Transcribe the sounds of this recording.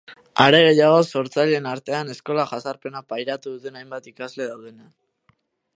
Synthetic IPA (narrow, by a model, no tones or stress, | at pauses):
aɾe̞ɣ̞e̞jaɣ̞o̞so̞ɾt͡saʎe̞naɾt̪e̞ane̞sko̞laʝasaɾpe̞napajɾat̪uðut̪e̞najmbat̪ikazle̞ðawð̞e̞na